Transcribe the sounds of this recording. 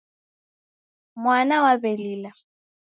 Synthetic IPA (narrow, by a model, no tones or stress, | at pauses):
mwanawabɛlila